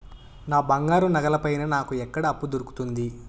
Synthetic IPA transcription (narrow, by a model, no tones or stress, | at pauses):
naːbɐŋɡaːɾunɐɡɐlɐpɐjnɐnaːkuɛkːɐɽɐːpːud̪oɾuku̥t̪und̪i